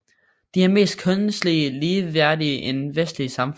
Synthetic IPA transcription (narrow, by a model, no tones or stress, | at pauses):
d̥iæɐme̝̰ːsd̥̚kʰɔn̩sliliːʋæɐ̰d̥iəʔenʋesd̥liəsɑ̈mf